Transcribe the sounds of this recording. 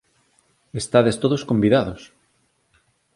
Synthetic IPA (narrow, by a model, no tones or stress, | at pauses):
est̪aðest̪oðoskombiðaðos